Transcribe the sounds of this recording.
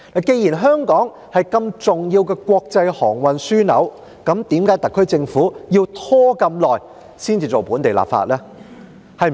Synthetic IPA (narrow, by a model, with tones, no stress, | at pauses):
na˨˩ke˧jiː˨˩nɦœː˥ŋkɔː˨˥ŋ | hɐ˨jkɐ˧mt͡sʊ˨ŋjiː˧wkɛː˧kʷɔː˧k̚t͡sɐ˧jhɔː˨˩ŋwɐ˨nsyː˥nɐ̰˨˥w | kɐ˨˥mt̪iː˨˥mkaː˨˥jt̪ɐ˨kʰːɵ˥ɥt͡sɪ˧ŋfuː˨˥jiː˧wt̪ʰɔː˥kɐ˧mlɔː˨j | siː˥nt͡siː˨t͡so˨˩wpuː˨˥nt̪e˨jla̰ː˨p̚fa̰ː˧t̚lɛː˥ | hɐ˨˩j